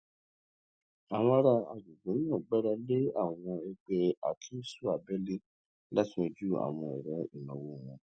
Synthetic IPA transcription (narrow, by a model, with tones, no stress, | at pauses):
a˨w̃ɔ̃˧a˧ɾa˧a̰˧˨d͡ʒu˨ɡũ˨˦n˦ãː˦˨ɡ͡bɛ˦ɾa˧le˦a̰˦˨w̃ɔ̃˧ɛ˧ɡ͡bɛ˧a̰˨kʰĩ˨˦su˦a˨bɛ˦le˦ | la˦ti˦o˧d͡ʒu˦a̰˨w̃ɔ̃˧ɛ̰˨ɾɛ˨˦i˦˨nɔ̃˨wo˦˨w̃ɔ̃˧